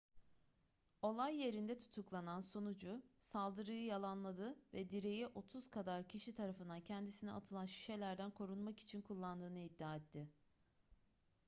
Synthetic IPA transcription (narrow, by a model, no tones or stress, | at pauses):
o̞lˠajːe̞ɾind̪ɛt̪ʰu̥t̪ʰuklˠanansonud͡ʒʊsalˠd̪ɯɾɯjɯjalˠanlˠad̪ɯvɛd̪iɾe̞jiʔo̞t̪ʰuzkʰad̪aɾcʰiʃit̪ʰaɾafɯnd̪ancʰɛnd̪isiniʔa̰t̪ʰɯlˠanʃi̥ʃe̞lʲæɾd̪ænkʰo̞ɾunmaki̥t͡ʃʰinkʰulˠːand̪ɯːnɯid̪ːaːɛt̪ʰːɪ